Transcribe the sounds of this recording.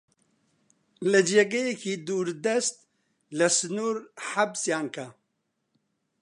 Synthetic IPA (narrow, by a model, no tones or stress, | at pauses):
lɐd͡ʒeːɡɐjekʰiːd̪uːɾd̪ɐst̪̚ | lɐsɨnuːɾħabsjaːnkʰɐ